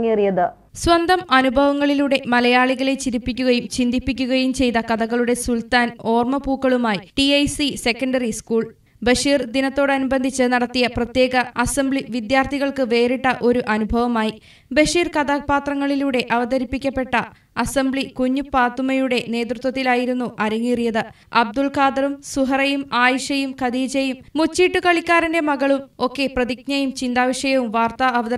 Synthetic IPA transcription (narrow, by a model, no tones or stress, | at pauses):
ŋːiɐrijɐðɨ | swɐnd̪ɐmɐnubʱɐʋɐŋːɐɭiluːɽe̞mɐlɐjaːɭiɣɐle̞t͡ɕiɾipːikʲːuɣɐjumt͡ɕind̪ipːikʲːuɣɐjumt͡ɕe̞jt̪ɐkɐðɐɣɐɭuɽe̞sult̪aːno̞ːrmɐpuːkːɐɭumaːjiʈiɐjsise̞kːɐɳɖɐriskuːɭ | bɐʂiːrd̪inɐt̪ːo̞ːɽɐnubɐnd̪ʱit͡ɕːɨnɐɽɐt̪ːijɐprɐt̪je̞ːɡɐɐsɐmbɭiʋid̪jaːrt̪ʰiɣɐɭkɨʋe̞ːɾiʈːɐʔo̞ɾuʔɐnubʱɐʋɐmaːji | bɐʂiːrkɐd̪apaːt̪rɐŋːɐɭiluːɽe̞ʔɐʋɐd̪ɐɾipːikʲːɐpːe̞ʈːɐ | ɐsɐmbɭikuɲːupaːt̪ːumɐjuɽe̞ne̞ːt̪rut̪wɐt̪ːilaːjiɾunːuʔɐɾɐŋːirijɐðɨ | ɐb̚d̪ulkaːd̪ɐrumsuɦɐrɐjumaːjʂɐjumkɐd̪iːd͡ʑɐjumːut͡ɕːiːʈːukɐɭikʲːaːɾɐnde̞mɐɣɐɭumo̞kːe̞prɐðikɲɐjumt͡ɕind̪aːʋɐʂjɐjɐʋumʋaːrt̪ɐɐʋɐðɐ